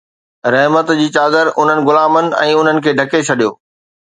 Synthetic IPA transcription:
ɾɐɦmət̪d͡ʑiːt͡ɕaːd̪əɾʔʊn̤ənɪ̆ɡʊlaːmənɪ̆ɛ̰̃ːʊn̤ənɪ̆kʰeːɖʱɐket͡ɕʰɐɗijo̰ː

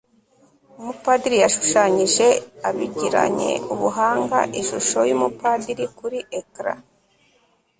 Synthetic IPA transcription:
umupadiɾijaʃu̥ʃaɲiʒe̞aβiɟiɾa̰ɲe̞̰uβuɦaːŋɡa̰ʔiʃuʃo̞jumupadiɾikuɾiekɾa̰

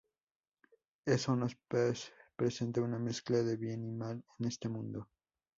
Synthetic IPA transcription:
e̞sonos | pɾese̞nt̪auname̞sklaðe̞βje̞nimalenest̪e̞mũnd̪o

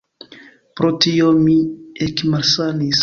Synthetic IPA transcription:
pɾot̪ijomiekmasanis

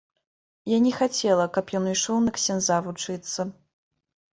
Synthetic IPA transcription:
janʲɛxat͡sʲɛlˠɐkɐpjɔnɨjʂɔwnɐksʲɛnzavut͡ʂɨt̪sːɐ

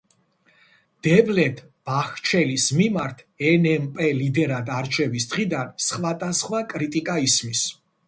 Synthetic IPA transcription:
d̪̥ɛblɛt̪ʰ | b̥aχt͡ʃʰɛlismimaɾt̪ʰ | ɛnɛmpʼɛlid̪ɛɾad̪aɾt͡ʃʰɛvisd̪̥ʁid̪ansχwad̪ʼasχwakʼɾit̪ʼikʼaismis

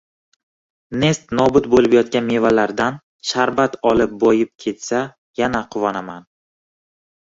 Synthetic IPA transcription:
ne̞st̪nɒbʊt̪̚bolɪpjɒt̪kʲanme̞valaɾd̪an | ʃaɾbat̪ʰɒlɪp̚bɒjɪp̚kʲʰe̞t̪sa | janaqʰʊvɒnaman

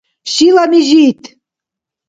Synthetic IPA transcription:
ɕilɑmiʑit̪

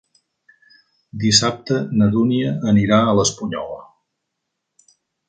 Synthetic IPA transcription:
d̪isap̚t̪ənəðuniəːniɾaələspuɲɔ̰lə̰

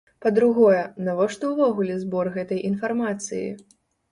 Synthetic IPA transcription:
pɐd̪ɾuɣɔjɛnavɔʂt̪ɔwvɔɣulʲɛzbɔrɣɛt̪ɐjʔinfarmat̪sɨ̰jḭ

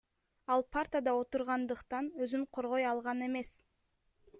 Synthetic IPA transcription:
ɑlˠpʰart̪ʲad̪ɑo̞t̪uɾʁɑnd̪ɯqt̪ɑnøzyɴqʰo̞ɾʁo̞jɑlˠʁɑne̞me̞s

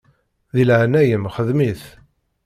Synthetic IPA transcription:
ðilʕnæjəmχəðmiθ

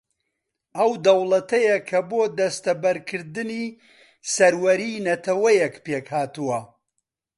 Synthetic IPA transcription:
ɐwd̪ɐwlˠɐt̪ɐjɐkʰɐboːd̪ɐst̪ɐbɐɾkʰɨɾd̪ɨni | sɐɾwɐɾiːnɐt̪ʰɐwɐjɛkpekhaːt̪uwɐ

